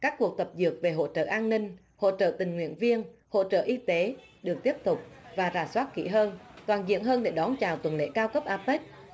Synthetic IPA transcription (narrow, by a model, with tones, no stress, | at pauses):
kaː˦˥kːu˨˩ək̚t̪ə˨˩p̚zɨ˨˩ək̚ve˨˩ɦo̰˧˨t͡ɕə̰ː˧˨ʔaː˧nːï˧ŋ̟ | ho̰˧˨t͡ɕə̰ː˧˨t̪ï˨˩ŋ̟ŋwḭ˧˨ənvi˧ənho̰˧˨t͡ɕə̰ː˧˨ʔi˧t̪e˨˦ | ɗɨ˨˩ək̚t̪i˦˥əp̚t̪ʊ˨˩k͡p̚vaː˨˩zaː˨˩swaː˦˥t̚kḭ˧˩ɦəː˧nt̪waː˨˩nzḭ˧˨ənɦəː˧nɗe˧˩ɗɔ˨˦nt͡ɕaː˨˩wt̪wə˨˩nlḛ˧˥kaː˧wkə˦˥p̚ʔaː˧˥pe˦˥t̚